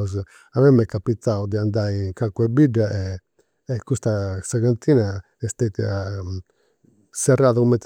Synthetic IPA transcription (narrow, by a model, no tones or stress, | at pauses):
z | amɛmːɛkːapit̪ːaud̪iand̪ajiŋkakuɛbiɖːaʔɛː | kːust̪asaɣant̪ʰiːna | ɛst̪et̪ia | sɛrːaðakumɛt̪